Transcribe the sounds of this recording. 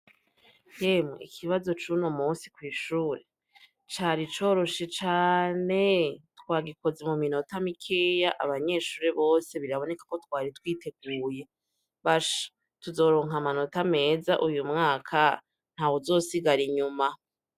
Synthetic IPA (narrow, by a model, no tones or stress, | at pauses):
jemŋḛḭkʰiβazo̞t͡ʃunomuːnsi̥kwiːʃuːɾe̞ | t͡ʃaːɾit͡ʃo̞ɾo̞ʃet͡ʃaːne̞twaːɡiko̞ze̞mumino̞tamikʰejaʔa̰βaɲe̞ːʃuːɾeβo̞ːse̞βiɾaβo̞ne̞kḁko̞twaːɾitwiːte̞ɡ̚uːje̞ | βaʃḁ | tuzo̞ːɾo̞ːŋɦamano̞tame̞ːzaʔujumŋaːkʰa | n̥haːwozo̞ːsiɡaɾiɲuma